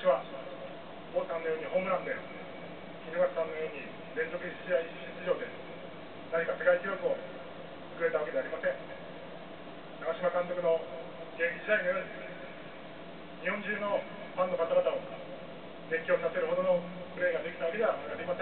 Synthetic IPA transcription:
aɕiβa | bosãnːojo̞ːɲ̟iɦõ̞ːmɯ̟ɾãnd̪e | kʲinoɡasãnːojoːɲːi | ɾẽ̞nzo̞kɯ̟iɕiaiɕit͡sɨʑo̞ːd̪e̞ | naɲikat̪e̞ɡaik̪ʲijokɯo̞ | t͡sɨ̥kɯ̟ɾe̞t̪aβake̞d̪eaɾʲimasẽ̞ŋ | t̪akaɕimakãnt̪o̞kɯ̟no̞ | ɡẽ̞ŋkʲid͡ʑid̪aino̞jo̞ːɲ̟i | ɲihõ̞ɲd͡ʑĩnːo̞ | pãnːo̞kat̪aɾat̪ao | d̪ẽ̞ŋkʲjo̞ːt̪ase̞ɾɯ̟ɦod̪o̞no̞ | kɯ̟ɾe̞ːɡad̪e̞kʲi̥t̪aβaked̪eβakad̪eimasẽ

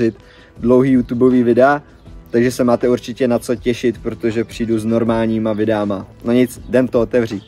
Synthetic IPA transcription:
ɪt̪ | dlowɦiːjuːt̪ubo̞viːvɪdɛa | t̪aɡʒɛsɛmaːt̪ɛuɾt͡ʃɪcɛnat͡so̞cɛʃɪt̪pɾot̪o̞ʒɛpr̥iːduzno̞ɾmaːlɲiːmavɪdɛamanaɲɪt͡sdɛnt̪oot̪ɛvr̝iː

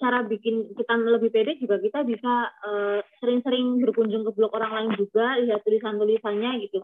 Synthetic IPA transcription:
t͡ʃaɾabikɪnt͡ʃək̪anləbɪhpedɛk̚d͡ʒuɡakit̪abisaəːsəɾɪŋsəɾɪŋbərkuɲd͡ʒʊŋkəblɔkoɾaŋlaɪnd͡ʒuɡaliɦat̪ulisant̪ulisaɲaɡit̪u

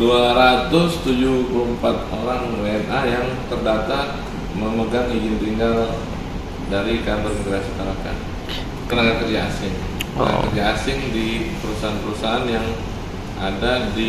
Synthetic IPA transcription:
duaɾat̪ʊst̪ud͡ʒuhpulumpat̪̚oɾaŋweɛnajaŋt̪ərdat̪a | məməɡaŋid͡ʒɪnt̪iŋɡal | daɾikaənɡəɾasik̪aɾaka̰ | kənakakərd͡ʒaa̰sɪŋ | kə̰na̰a̰kərd͡ʒaasɪŋdipəɾusaɦanpəɾusaɦanjaŋ | ʔa̰dadi

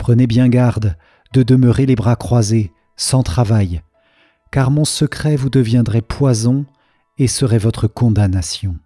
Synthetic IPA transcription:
pχənebjɛ̃ɡaʁd̪ | d̪əd̪əməʁelebʁakχwaze | sɑ̃t̪χavaj | kaʁmɔ̃səkχɛvud̪əvjɛ̃d̪ʁɛpwazɔ̃ | esəʁɛvɔt̪χəkɔ̃d̪anasjɔ̃

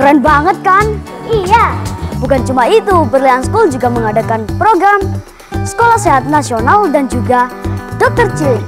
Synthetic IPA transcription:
ɾɛnbaŋət̪̚kan | ʔijabukant͡ʃumait̪ubərliansə̥kuld͡ʒuɡaməŋadakanpɾoɡɾam | sə̥kolahseɦat̪̚nasionaldand͡ʒuɡadɔk̚t̪ərt͡ʃil

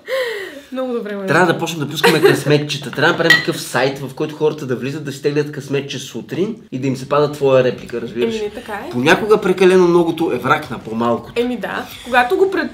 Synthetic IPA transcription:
mnɔɡʊd̪obɾɛtt̪ɾʲavəd̪ɐpɔt͡ʃnɛmd̪ɐpuskəmɛkɐsmɛt̪t͡ʃə̥t̪ət̪ɾʲavɐd̪ɐpɾd̪ɛmk̪ɐ̥kɤfsajt̪vɐfkɔjt̪ʊxɔɾət̪əd̪ɐvlizət̪ːɐsi̥t̪ɛɡlʲət̪kɐsmɛt̪̚t͡ʃɛsut̪ɾinid̪ɐimsɛpad̪ət̪ːvɔjəɾɛplikəɾɐzbiɾəʃɛt̪ɐkaponʲakoɡəpɾɛkɐlɛnomnɔɡot̪oʔɛvɾaknɐpomalˠko̥t̪ɛmid̪a̰ | koɡat̪oɡopɾɛt̪

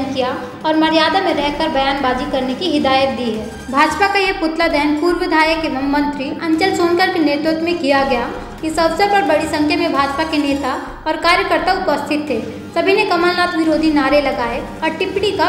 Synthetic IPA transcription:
nkija | ɔːɾmɐɾjaːd̪amẽɾɛɦkəɾbɐjaːnbaːd͡ʒikɐɾnekiɦɪd̪aːjət̪̚d̪iːɦɛː | bʱaːd͡ʒpakajepʊt̪lad̪ɛɦənpuːɾʋɪd̪ʱaːjəkemɐmːə̃nt̪ɾiɐ̃ɲt͡ʃəlsoːnkəɾkineːɾt̪ɾʊt̪mẽkijaɡɐja | ɪsɐʋsəɾpɐɾbɐɽisɐ̃ŋkʰjəmẽbʱaːd͡ʒpakeneːt̪a | ɔːɾkaːɾjəkəɾt̪aʊpəst̪ʰɪt̪ːeː | sɐbʱinekɐməllaːt̪ʰʋɪɾoːd̪ʱinaːɾelɐɡaːe | ɔːɾʈɪpɽika

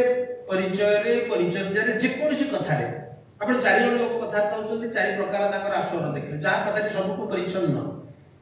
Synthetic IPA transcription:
pɔɾit͡ʃɔjɔɾepɔɾit͡ʃɔjd͡ʒaɾed͡ʒekɔɾusikɔt̪ʰaɾḛ | apɔɽ̃ɔt͡ʃaɾiɔɽ̃uokɔkɔt̪ʰaɾt̪ʰaɦut͡ʃʰɔnt̪it͡ʃaɾipɾɔkaɾɔnakɔɾasɔɔɾɔd̪ekʰiled͡ʒaɦakɔt̪ʰat̪isɔbukupɔɾit͡ʃʰɔnːɔ̰

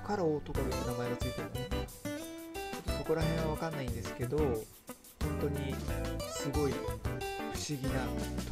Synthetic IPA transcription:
kaɾaot̪okaɯɯnamae̞ɡat͡sɨit̪eɾnone | t͡ɕo̞t̪ːoso̞ko̞ɾaɦẽ̞ɰ̃aβakanːaĩnd̪e̞sɨ̥ke̞d̪o̞ | hõ̞nt̪o̞ɲ̟isɨɡo̞i | ɸɯ̟̥ɕiɡʲinat̪

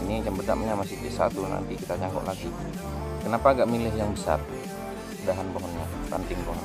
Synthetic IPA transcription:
iniat͡ʃambəd̪aʔməɲamasɪht̪ɛʔsa̰t̪una̰nt̪ikit̪aɲaŋɡɔ̰ʔlaɡi | kənapaːɡaʔmilɛɦjaŋbəsa̰r | daɦanboɦɔnɲa | pa̰nt̪ɪŋpoɦɔn

